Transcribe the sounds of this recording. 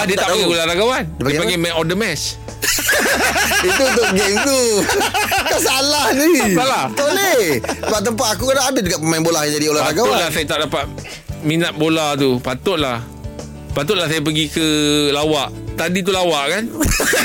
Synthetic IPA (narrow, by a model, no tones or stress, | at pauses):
adiət̪aʔpəɡiolaɾaɡawandpdəpaɡamɛ̃ʔɔdəmɛs | it̪ut̪ʊʔɡemt̪u | kasalahnipalat̪oleəpaʔ̚t̪̬ːəmp̬at̪akukadaadad͡ʒuɡat̪̚pəmaɪ̃nbolahjãd͡ʒadiolapaɾaɡaw̪lasajat̪aʔdapat̪̚ | minat̪̚bolat̪̬upat̪ʊt̪̚lah | pat̪ʊt̪̚lahsajap̬əɡikəlawaʔ | t̪adit̪̬ulawaʔkan